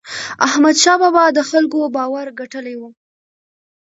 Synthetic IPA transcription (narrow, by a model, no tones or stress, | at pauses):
ahmad̪ʃɑbɑbɑd̪əxalkobɑwaɾɡaʈəlewu